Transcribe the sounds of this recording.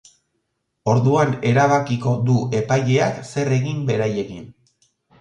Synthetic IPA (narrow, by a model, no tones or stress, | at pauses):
o̞ɾðuane̞ɾaβ̞akiko̞d̪ue̞pajʎeakse̞re̞ɣimbe̞ɾaje̞ɣin